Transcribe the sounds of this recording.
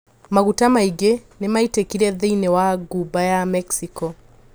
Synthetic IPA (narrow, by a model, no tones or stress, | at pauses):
maɣutamaiɡenemaitekiɾɛðeinɛwaɡubajamɛksikɔ